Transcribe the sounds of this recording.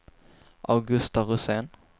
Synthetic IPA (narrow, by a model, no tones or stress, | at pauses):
ʔa̰ʊɡɵst̪aʁʊseːn